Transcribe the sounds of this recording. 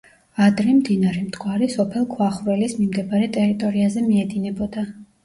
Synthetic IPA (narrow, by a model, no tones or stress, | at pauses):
ad̪ɾimd̪inaɾɛmd̪ɡʰʼwaɾisɔpʰɛlˠkʰwaχvɾɛlismimd̪ɛbaɾɛt̪ʼɛɾit̪ʼɔɾiazɛmiɛd̪inɛbɔd̪a